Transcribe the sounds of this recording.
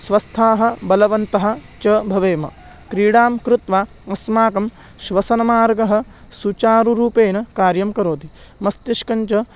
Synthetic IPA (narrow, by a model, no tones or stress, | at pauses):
sʋɐst̪ʰaːɦɐ̆bɐlɐʋɐnt̪ɐɦɐ̆t͡ʃɐbʱɐʋeːmɐ̰ | kɾiːɽaːmkɾut̪ʋaː | ɐsmaːkɐm | ʃʋɐsɐnɐmaːɾɡɐɦɐ̆ | sut͡ʃaːɾuɾuːpeːnɐkaːɾjɐmkɐɾoːt̪i | mɐst̪iʃkɐɲt͡ʃɐ